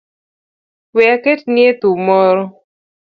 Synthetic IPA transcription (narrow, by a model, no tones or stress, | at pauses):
wɛaketnɪet̪umɔɾɔ